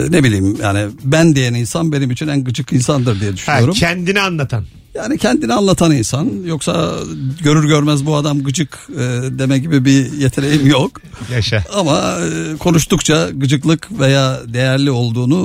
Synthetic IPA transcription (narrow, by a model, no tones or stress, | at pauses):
ne̞bilʲiːmja̰ːnibænd̪e̞jæninsanbe̞nimit͡ʃʰinænɡɯd͡ʒɯkinsand̪ɯɾd̪ijɛd̪yʃyjo̞ɾumʰɛnd̪inianlˠat̪ʰan | jaːnicʰɛnd̪inianlˠat̪ʰaninsanjo̞ksaɟø̞ɾyɾɟø̞ɾmæzbuad̪amɡɯd͡ʒɯkɯd̪e̞mɛɟibibije̞t̪ʰe̞ne̞jimjok | jaʃaamakʰo̞nuʃt̪ukt͡ʃʰaɡɯd͡ʒɯklˠɯkve̞jaːd̪e̞jæɾlʲio̞lˠd̪uːnu